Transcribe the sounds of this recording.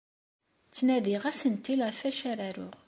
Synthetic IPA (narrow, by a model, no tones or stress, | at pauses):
t͡sːnæðiʁæsənt̪ːilfæʃæɾæɾʊ̰ʁ